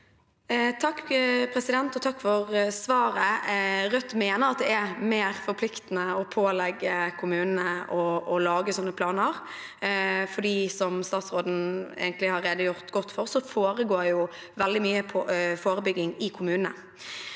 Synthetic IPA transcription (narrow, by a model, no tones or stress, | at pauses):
t̪ʰɑkːpʰɾɛsɪd̪ɛnt̪ɔt̪ʰɑkːfɔɾsʋɑːɾəɾœt̪ːmeːnəɾɑt̪̚d̪ɛæmeːɾfɔɾpʰlɪkt̪ənəɔpʰoːlɛɡːəkʰʊmʉːnənəɔɔlɑːɡəsɔnːəpʰlɑːnəɾ | fɔɖiːsɔmst̪ɑːt̪sɾoːd̪n̩ḛːɡənt̪lɪhɑɾeːd̪əjʊʁt̪ɡɔt̪ːfɔʁsɔfoːɾəɡoːɾjʊ | ʋɛld̪ɪmyːəpʰɔfoːɾəbʏɡɪŋɪkʰʊmʉːnnə̰